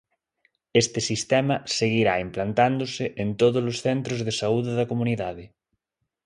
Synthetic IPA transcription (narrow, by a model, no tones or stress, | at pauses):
est̪esist̪ɛmɐseɣ̞iɾaimplant̪and̪oseʔent̪oðozlosθɛnt̪ɾozðesauðeðɐkomũniðaðe